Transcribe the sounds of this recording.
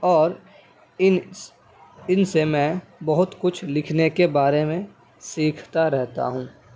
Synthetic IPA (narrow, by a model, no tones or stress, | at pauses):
ɔːɾ | ɪnsemɛ̃ːbɐɦʊt̪kʊt͡ʃʰlɪkʰnekebaːɾemẽ | siːkʰt̪aɾɛɦt̪a̰ɦũː